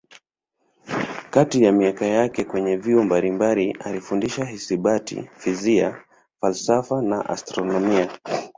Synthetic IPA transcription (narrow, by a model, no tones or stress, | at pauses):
katijamiakajakɛkwɛɲɛviɔmbalimbalialifundiʃahisiɓatḭfizia̰ | falsafana̰ʔa̰stɾɔnɔmia